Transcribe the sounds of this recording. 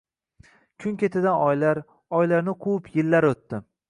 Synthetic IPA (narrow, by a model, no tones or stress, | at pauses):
kʲʰʊŋkʲʰet̪ʰɪd̪anɒjlaɾ | ɒjlaɾnɪqʰupʰjɪlːaɾot̪ːɪ